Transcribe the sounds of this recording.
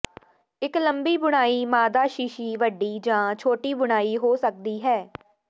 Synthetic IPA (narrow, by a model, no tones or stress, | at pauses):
ɪkləmbiːbʊɽ̃aːiːmaːd̪aːʃiːʃiːʋəɖːiːd͡ʒãːt͡ʃʰoːʈiːbʊɽ̃aːiːɦoːsək̚d̪iːɦɛː